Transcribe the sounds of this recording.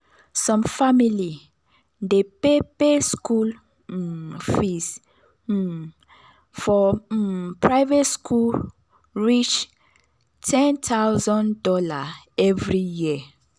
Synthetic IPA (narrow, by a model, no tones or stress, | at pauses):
sɔ̃mfamili | depepeskul̩ | fis̩ | fɔ | pʰɹaɪvetskʰul | ɹit͡ʃ | tʰɛ̃ntʰawzɔ̃ndɔla | ɛvɹiji